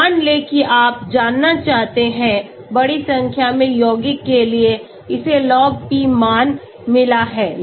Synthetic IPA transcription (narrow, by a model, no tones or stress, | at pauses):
nleːkiʔaːp̚d͡ʒaːnːat͡ʃaːɦt̪eɦɛ̃ | bɐɽisɐ̃ŋkʰjamẽjoːɡɪkːelie | ɪselɔːɡ̚pimaːn | mɪlaɦɛː